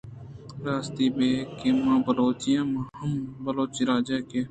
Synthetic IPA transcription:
ɾaːst̪iːbeːkeːmãːbəloːt͡ʃɪjãːmãːɦəmbəloːt͡ʃiːɾaːd͡ʒɛːkeː

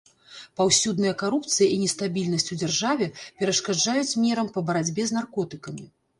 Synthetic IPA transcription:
pawsʲud̪nɨjɐkaɾupt̪sɨjɐʔinʲɛst̪abʲilʲnɐsʲt͡sʲud͡zʲɛrʐavʲɛpʲɛɾɐʂkad͡ʐajut͡sʲmʲɛɾɐmpɐbɐɾad͡zʲbʲɛznarkɔt̪ɨkɐmʲi

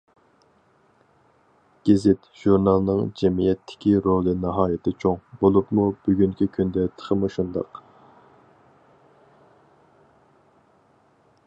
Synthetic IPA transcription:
ɡ̥ʲezɪt̪ʒ̥uɾnɑlˠnɨŋd͡ʒɛmijɛt̪ʰːɪ̥kʲiɾolˠɨnɨɦɑːjɪt̪ʰɪt͡ʃʰoŋbolˠupmub̥yɡʲyŋkʲikʲʰynd̪ɛt̪ʰə̥χʰəmuʃund̪ɑ̰q

